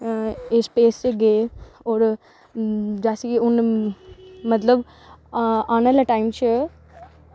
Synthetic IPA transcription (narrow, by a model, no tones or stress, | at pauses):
espeːst͡ʃeɡeː | oːɾ | d͡ʒaːsiɡiʊn | mət̪ləb | aːnalaʈaːɪmt͡ʃə